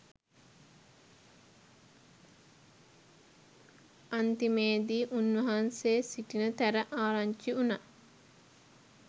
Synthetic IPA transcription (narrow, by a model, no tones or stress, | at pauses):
ant̪imeːd̪iːʔunʋɐɦanseːsiʈinət̪æɾəʔaːɾaɲt͡ʃiuna